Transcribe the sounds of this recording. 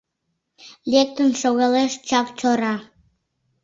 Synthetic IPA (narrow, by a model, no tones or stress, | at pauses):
lʲek̚t̪ənʃoɣɑleʃt͡ʃɑkt͡ɕoɾɑ